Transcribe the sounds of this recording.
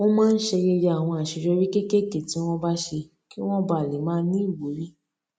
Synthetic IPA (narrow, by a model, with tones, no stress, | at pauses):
wõ˦mãː˦n̩˦ʃe˧ɾe˧ɾa˨w̃ɔ̃˧a˨ʃe˨˧˦d͡ʒɔ˧ɾi˦ke˦ke˦˨ke˦˨ti˨˦w̃ɔ̃˦ba˦ʃe˧ | ki˦w̃ɔ̃˦ba˨le˨˦mãː˦nĩ˦i˦˨wo˨˦ɾi˦